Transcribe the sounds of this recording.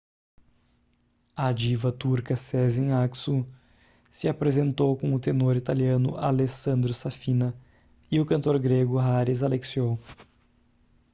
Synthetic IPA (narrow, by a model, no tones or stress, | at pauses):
ɐad͡ʒivɐt̪uɾkɐsɛzẽaksu | sɪapɾezẽnt̪owkõʊt̪enoɾit̪aliɐ̃nʊ̰ʔalesɐ̃nd̪ɾʊsafĩnɐ | ɪʊkɐ̃nt̪oɾɡɾeɡʊɦaɾizaleksiow